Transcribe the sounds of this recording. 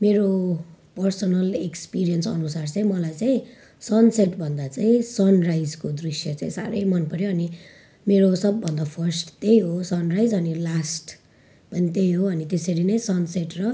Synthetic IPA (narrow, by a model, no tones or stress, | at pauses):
meɾo | pʌrsʌnʌlekspiɾijʌnsʌ̰nusart͡saĩmʌlajt͡saĩ | sʌnseʈbʱʌnd̪at͡saĩsʌnrajd͡zkod̪risjʌt͡saĩsa̰ɾʌjmʌnpʌɾjoʌni | meɾosʌbːʌnd̪apʰʌrsʈt̪ejɦosʌnrajd͡zʌnilasʈ | pʌnit̪ejɦoʌnit̪esʌɾinʌjsʌnseʈrʌ